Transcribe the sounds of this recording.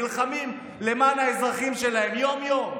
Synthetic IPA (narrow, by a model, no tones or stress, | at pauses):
lχamim | le̞maːnaezʁaχimʃe̞lahe̞mjo̞mjo̞m